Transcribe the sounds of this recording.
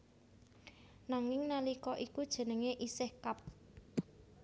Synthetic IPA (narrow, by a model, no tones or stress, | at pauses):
naŋɪŋnalikɔʔikud̥ʒ̥ə̤nəŋeʔisehkap̚